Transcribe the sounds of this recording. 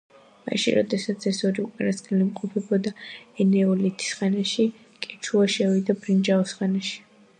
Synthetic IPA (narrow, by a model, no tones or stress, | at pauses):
ma̰ʃḭɾɔ̰d̪ɛsat̪sʰɛsɔɾiukʼanaskʼɛlimqʼɔpʰɛbɔd̪aɛnɛɔlit̪ʰi̥sχɛnaʃi | kʼɛt͡ʃʰuaʃɛwid̪abɾind͡ʒaɔsχɛnaʃi̥